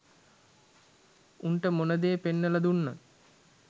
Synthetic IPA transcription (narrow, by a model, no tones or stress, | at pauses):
unʈəmonəd̪eːpenːəlad̪unːat̪